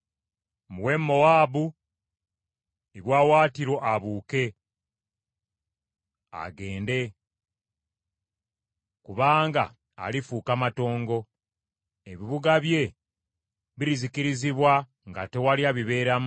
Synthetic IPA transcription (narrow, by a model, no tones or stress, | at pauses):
muwe̞mːo̞waːbu | eβjwaːwaːtiɾo̞ʔaβuːke̞ | a̰ɡe̞ːnde̞ | kuβaːŋɡa̰ː | lifuːkamato̞ːŋɡo̞ | e̞βiβuɡaβje̞ | βiɾizikiɾiziβwa | ŋɡa̰te̞waljaβiβe̞ːɾam